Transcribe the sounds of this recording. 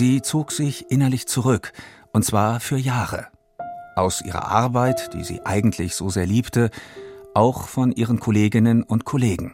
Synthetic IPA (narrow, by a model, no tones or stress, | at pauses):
ziːt͡soːkz̥ɪçʔɪnɐlɪçt͡suʁʏkʔʊntt͡sv̥aːɐfyːɐjaːʁə̰ | ʔaʊsʔḭːʁɐ̰ʔa̰ɐbaɪtd̥ḭːzḭːʔa̰ɪɡŋ̩tʰlɪçz̥oːzeːɐliːptəʔaʊxfɔnʔiːʁənkʰoleːɡɪnənʊntkʰɔleːɡŋ̩